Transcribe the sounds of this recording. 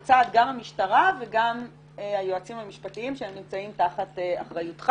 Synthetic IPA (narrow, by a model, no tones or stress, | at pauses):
t͡saːt̪ɡamhamiʃtaʁaveɡam | ehajoat͡simamiʃpatiimʃeemnimt͡saimtaχat̪ea̰χʁajutχ